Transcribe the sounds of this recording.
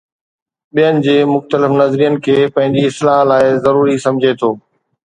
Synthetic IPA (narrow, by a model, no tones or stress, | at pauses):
ɓijənɪ̆d͡ʑeːmʊxt̪əlɪfnɐzɾijənɪ̆kʰeːpɐ̃ɦɪ̃ɲd͡ʑiɪslaːɦlaːɪzɐɾuːɾisɐ̃md͡ʑʱet̪ʰoː